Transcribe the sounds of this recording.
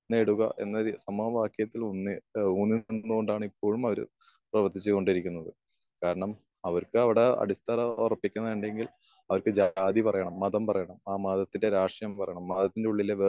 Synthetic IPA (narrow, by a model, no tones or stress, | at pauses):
neːɽuɣɐ̰ʔe̞̰nːɐɾisɐmuɐʋaːkʰjɐt̪ːilonːiuːnːinːuɣo̞ɳɖaːɳɨipːo̞ːɻumɐʋɐɾ̰ | prɐʋɐrt̪ʰit͡ɕːɨko̞ɳɖiɾikʲːunːɐðɨ | kaːɾɐɳɐm | ɐʋɐrkɨɐʋiɽe̞ɐ̰ɽist̪ɐɾɐorɐpːikʲːunːɐðiɳɖeŋɡil | ɐʋɐrkɨd͡ʑaːd̪ipɐrɐjɐɳɐmːɐðɐmpɐrɐjɐɳɐmaːmaːðɐt̪ːinde̞ɾaːʂjɐmpɐrɐ̰jɐɳɐmːɐːd̪ɐt̪ːindeuɭːileʋe